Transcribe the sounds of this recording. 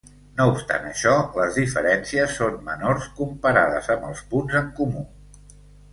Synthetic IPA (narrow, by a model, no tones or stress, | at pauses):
noupst̪a̰nəʃɔləzðifəɾɛnsiəsːonmənorskumpəɾaðə̰zəmbəlˠspunzəŋkumu